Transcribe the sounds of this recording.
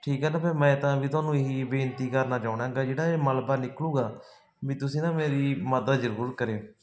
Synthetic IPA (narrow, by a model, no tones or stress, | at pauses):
ʈʰiːkɦɛːnaːpʰeːmɛ̃ːt̪ãːʋiːt̪ʊaːnũːɪɦiːbeːnt̪iːkəɾnaːd͡ʒaːʊɽãːɡaːd͡ʒeːɽaːeːməlbaːnɪklũːɡaː | ʋiːt̪ʊsĩːnãːmeːɾiːməd̪əd̪d͡ʒəɾuːɾət̪̚kəɾeːoː